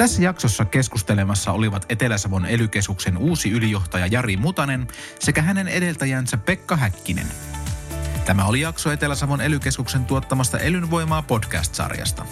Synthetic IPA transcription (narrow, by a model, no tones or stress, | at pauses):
t̪æsːæjɑkso̞sːɑke̞skust̪e̞le̞mɑsːɑo̞liʋɑt̪e̞t̪e̞læsɑʋo̞ne̞lyk̟e̞skukse̞nuːsiylijo̞ht̪ɑjɑjɑɾimut̪ɑne̞nse̞kæɦæne̞ne̞de̞lt̪æjæːnsæpːe̞kːɑɦækːinḛn | t̪æmæo̞lijɑksoe̞t̪e̞læsɑʋo̞ne̞lyke̞skukse̞nt̪uo̞t̪ːɑmɑst̪ɑ̰ʔe̞lynʋo̞jmɑːpo̞dkæ̰st̪sɑ̰rjɑ̰st̪ɑ